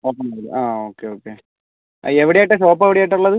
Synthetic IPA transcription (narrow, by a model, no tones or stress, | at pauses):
oːkːɐmːailṵʔaːoːkːeoːkːe | eʋiɽeajʈːɐɕoːp̬ːeʋiɽejajʈːuɭːɐðɨ